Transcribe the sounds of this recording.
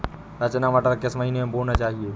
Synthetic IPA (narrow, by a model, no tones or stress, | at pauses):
ɾət͡ʃnamaʈəɾkesməɦiːnemẽbonat͡ʃaːɦie